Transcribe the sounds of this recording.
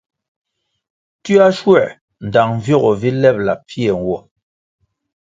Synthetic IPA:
ti˦a˦ʃwɛ˦˨ | n̩˨da˨ŋ˨vjɔ˦ɣɔ˨vi˦lɛ˦˨p̚la˨pʰjɛ˨ŋ̩˨ɡwɔ˦˨

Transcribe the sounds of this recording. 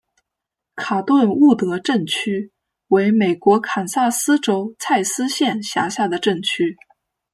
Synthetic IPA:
kʰa˨˩t̪wə˥˧nu˥˩t̪ɤ˧˥ʈ͡ʂə˥˩nt͡ɕʰy˥ | we˧˥ɪme˨˩ɪkwɔ˧˥kʰa˨˩nsa˥˩sɹ̩˥ʈ͡ʂo˥ʊt͡sʰa˥˩ɪsɹ̩˥ɕjɛ˥˩nɕja̰˧˥ɕja˥˩d̪ə˩ʈ͡ʂə˥˩ŋt͡ɕʰy˥

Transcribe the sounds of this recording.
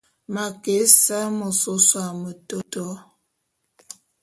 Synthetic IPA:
ma˨ke˨˦sa˦mo˨so˦swa˨mə˨to˦tɔ˦

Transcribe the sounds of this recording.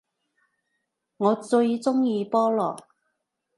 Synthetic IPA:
ŋɔː˨˧t͡sɵ˧ɥt͡sʊ˥ŋjiː˧pɔː˥lɔː˨˩k

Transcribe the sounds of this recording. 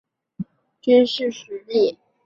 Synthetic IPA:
t͡ɕy˥nʂɻ̩˥˩ʂ̩˧˥li˥˩

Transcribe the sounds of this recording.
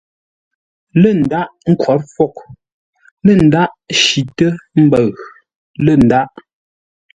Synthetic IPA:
lə˦˨n̩˨da˦ʔŋ̩˦kwɔ˨˦ɾfɔ˦˨k̚ | lə˦˨n̩˨da˦ʔʃi˨tə˦m̩˦bə˨ɣ | lə˦˨n̩˨da˦ʔ

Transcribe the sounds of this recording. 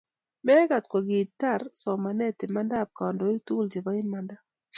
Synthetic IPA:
mɛ˦ɡa˨tkwɔ˨ɡɪ˨ta˦˨rsɔ˨ma˨nɛ˦tɪ˨ma˦nda˦˨p̚ka˨ɔ˨ndɔ˨ɪ˦tu˦˨ld͡ʒe˨ba˦ɪ˦nma˦nda˦

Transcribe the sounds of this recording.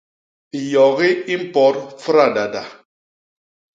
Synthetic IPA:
i˨jɔ˨ɣi˦i˦m̩˦pɔ˨˦ɾfɨ˦ɾa˦˨da˨da˨

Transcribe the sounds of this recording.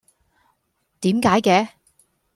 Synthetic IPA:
t̪iː˨˥mkaː˨˥jkɛː˧

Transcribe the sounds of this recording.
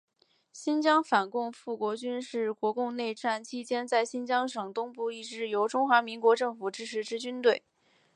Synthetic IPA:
ɕi˥nt͡ɕjɑ˥ŋfa˨˩nkʊ˥˧ŋfu˥˩kwɔ˧˥t͡ɕy˥nʂɻ̩˥˩kwɔ˧˥kʊ˥˧ŋne˥˧ɪʈ͡ʂa˥˩nt͡ɕʰi˥t͡ɕjɛ˥nt͡sa˥˩ɪɕi˥nt͡ɕjɑ˥ŋʂɤ˨˩ŋt̪ʊ˥ŋpu˥˧i˥˩ʈ͡ʂɻ̩˥˩jo˧˥ʊʈ͡ʂʊ˥ŋxwa˧˥mi˧˥ŋkwɔ˧˥ʈ͡ʂɤ˥˩ŋfu˨˩ʈ͡ʂɻ̩˥ʈ͡ʂʰɻ̩˧˥ʈ͡ʂɻ̩˧˥t͡ɕy˥nt̪we˥˩ɪ

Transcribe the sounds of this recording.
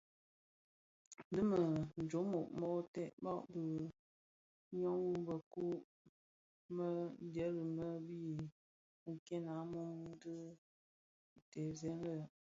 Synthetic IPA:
dɨ˦mə˨n˨d͡ʒo˨˦mo˨ʔmɔ˦tɛ˦ʔbɔ˦ʔbə˨˦ | ɲɔ˦ŋwu˦bə˨ku˦ | mə˦də˨˦lə˨mə˦bi˦˨ | ŋ̩˨kɛ˦na˨˦mu˦ŋ˦dɨ˦˨ | tɛ˨zɛ˨˦n˦lə˨

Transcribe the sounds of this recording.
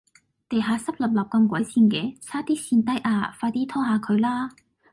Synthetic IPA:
t̪e˨˩ɦaː˨˥sɐ˥p̚lɐ˨˩p̚lɐ˨˩p̚kɐ˧mkʷɐ˨˥jsiː˧nkɛː˨˧t͡sʰaː˥t̪iː˥siː˧nt̪ɐ˥jʔaː˧faː˧t̪iː˥t̪ʰɔː˥ɦaː˨˧kʰɵ˨˧ɥlaː˥

